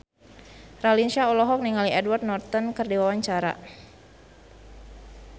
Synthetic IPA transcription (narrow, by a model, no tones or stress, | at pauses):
ralinʃaɔlɔɦɔk̚niŋaliɛdward̪̚nɔrt̪ɔnkərdiwawaɲt͡ʃaɾa̰